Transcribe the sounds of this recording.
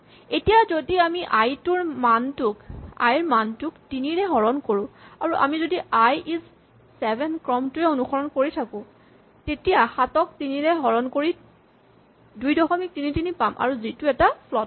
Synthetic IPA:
etijazodiamiʔajtʊɹmantʊka̰jɹmantʊktiniɹɛɦɔɹɔnkoɹʊ̃aɹuʔa̰mizodiʔajiz | sɛbʱɛnkɹɔmtuɛonuxɔɹɔnkoɹitʰakʊ̃ | tetijaxatɔk̚tiniɹɛɦɔɹɔnkoɹi | dujdɔxɔmik̚tinitinipamʔa̰ɹuzituɛtapʰlɔt

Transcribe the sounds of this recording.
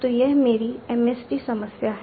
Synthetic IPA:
t̪ojɛɦmeːɾiɛːmɛsʈisɐməsjaɦɛ

